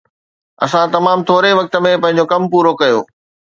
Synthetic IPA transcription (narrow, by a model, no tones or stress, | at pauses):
ɐ̰sãt̪ɐmaːmt̪ʰoːɾeʋɐk̚t̪ə̆mẽpɐ̃ɦɪ̃ɲd͡ʑokɐmpuːɾokɐjo̰ː